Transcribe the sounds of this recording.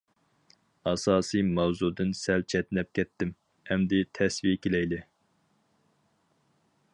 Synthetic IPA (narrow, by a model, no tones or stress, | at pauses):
ɑsɑːsɨjmɛwzud̪ɨnsɛlt͡ʃʰɛt̪nɛp̚kʲɛt̪ʰːɪm | ɛmd̪ɪt̪ʰɛsvijɛkʲelɛjlɪ